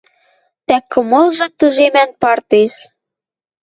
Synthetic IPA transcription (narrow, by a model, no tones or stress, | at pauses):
t̪ækːɤ̆mɤ̆lʒɤ̆t̪ə̆ʒemænpɑrt̪eʃ